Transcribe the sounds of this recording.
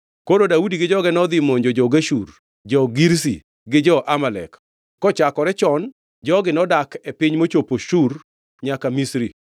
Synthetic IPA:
kododaudiɡɪd͡ʒɔɡɛnɔd̪ɪmoɲd͡ʒod͡ʒɔɡeʃur | d͡ʒɔɡiɾs̬ḭ | ɡɪd͡ʒɔʔamalɛ̰kː | ɔt͡ʃakɔɾɛt͡ʃɔn | d͡ʒɔɡɪnɔdakepɪɲmot͡ʃopoʃur | ɲakamisɾi

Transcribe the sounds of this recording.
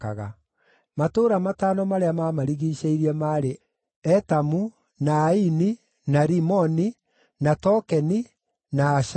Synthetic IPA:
a̰ɣa̰ | matoːɾamataːnɔmaɾeamamaɾiɣiɕeiɾiɛmaɾe | ɛtamu | naːini | naɾimɔni | natɔkɛni | naːʃ

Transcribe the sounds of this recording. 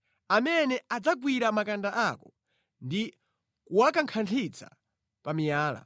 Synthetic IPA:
amɛnɛad͡zaɡwiɾamakandaʔakɔ | ndi | kuwakaŋkʰantʰit͡sʰa̰ | pamijaːla̰

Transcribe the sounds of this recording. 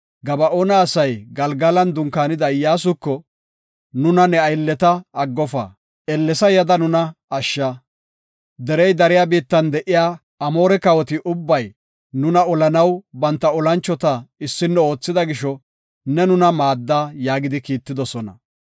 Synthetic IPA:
ɡɐbɐʔonɐːsɐjɡɐlɡɐlɐnd̪ʊŋkaːnɪd̪ɐɪjaːs̬ʊkːɔ | nʊnɐnɛɐjlːɛt̪ɐɐɡːɔfɐ̰ | ɛlːɛsɐjɐd̪ɐnʊnɐːʃːɐ | d̪ɛɾɛjd̪ɐɾɪjaːbiːt̪ːɐnd̪ɛʔɪjaː | ɐmo̞ːɾɛkɐwɔt̪ɪʔʊbːɐj | nʊnɐɔlɐnɐwbɐnt̪ːɐɔlɐnt͡ʃːɔt̪ɐɪsːɪnːɛo̞ːt͡sːɪd̪ɐɡɪʃɔ | nɛnʊnɐmaːd̪ːaːjaːɡɪd̪ɪkiːt̪ːɪd̪ɔsɔnɐ̰

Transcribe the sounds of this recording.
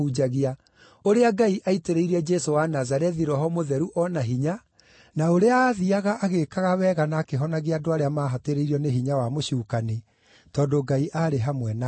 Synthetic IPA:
ud͡ʒaɣia | oɾeaɡaiʔaiteɾeiɾɛd͡ʒesowanazaɾɛðiɾɔɦɔmoðɛɾuʔɔnaɦiɲa | naoɾeaːðiaɣaʔːɣekaɣawɛːɣanaːkeɦɔnaɣiadoaɾeamaːɦateɾeiɾiɔneɦiɲawamoɕuːkane | tɔːdoɡaiʔaɾeɦamwɛna

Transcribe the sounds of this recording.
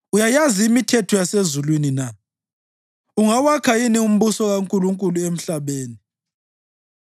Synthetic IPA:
ujajaziːmitʰɛtʰɔjasezulwinina | uŋawakʰainium̩βusɔɣaŋkʼuluŋkʼuluem̩ɬaβeːni

